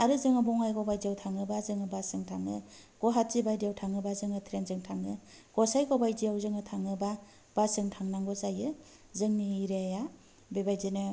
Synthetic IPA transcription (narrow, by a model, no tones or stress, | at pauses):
aɾɯzɯŋɯbɔŋajɡɔbajd͡ʒiawtʰaŋɯbazɯŋɯbasɯŋtʰaŋɯɡ̥ɔɦat̚zibajdijawtʰaŋɯbazɯŋɯtʰɾenzɯŋtʰaŋɯ | ɡ̥ɔsajɡɔbajd͡ʒiawzɯŋɯtʰaŋɯba | b̥asɯŋtʰaŋnaŋɡɔzajɯ | zɯŋniːɾeaja | bebajzinɯ